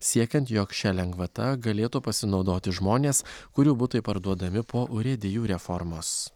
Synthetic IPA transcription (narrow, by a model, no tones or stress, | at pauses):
sʲiɛkʲɐnt̪joːkʃʲɛlʲɛŋɡʋɐt̪ɐɡɐlʲeːt̪upɐsʲɪnɒʊd̪oːt̪ʲɪʒmoːnʲeːskʊɾʲuːbʊt̪ɐɪpɐɾd̪uɔd̪ɐmʲɪpʰoːʔʊɾʲɛd̪ʲɪjuːɾʲɛfɔɾmoːs